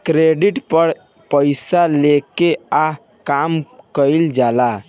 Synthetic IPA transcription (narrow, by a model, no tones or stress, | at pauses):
kɾeɖiʈpəɾ | pəɪsalekea | kamkəld͡ʒala